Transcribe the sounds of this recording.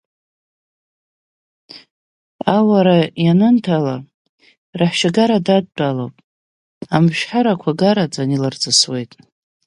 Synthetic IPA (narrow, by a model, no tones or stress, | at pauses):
awaɾajanɨntʰala | raħʃaɡaɾadad̚ːʼalo̰wpʼ | amʃᶣħaɾakʷʰaɡaɾad͡zʼanilard͡zʰʼɨswe̞jtʼ